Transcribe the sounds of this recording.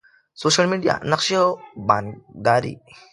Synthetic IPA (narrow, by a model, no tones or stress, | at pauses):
soːʃɐlmiɖija̰nɐkʃiobanɡaːɾḭ